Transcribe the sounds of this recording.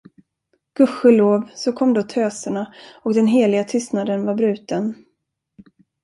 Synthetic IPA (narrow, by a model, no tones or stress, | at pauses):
ɡ̥ɵɧəloːvsɔkʰɔmːd̪oːt̪ʰøːsəɳaɔkd̪ɛnɦeːlɪɡat̪ʰʏst̪nad̪ənvaɾbɾʉ̟ːt̪ən